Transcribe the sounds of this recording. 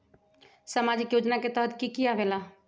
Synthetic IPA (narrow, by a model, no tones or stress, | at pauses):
səmad͡ʒikjod͡ʒnaket̪əɦət̪ʰkikijabela